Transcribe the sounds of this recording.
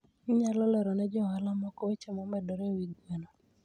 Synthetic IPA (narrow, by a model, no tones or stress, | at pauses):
ɲalɔlɛɾɔnɛd͡ʒɔwalamɔkɔwet͡ʃemɔmɛdɔɾewiɡenɔ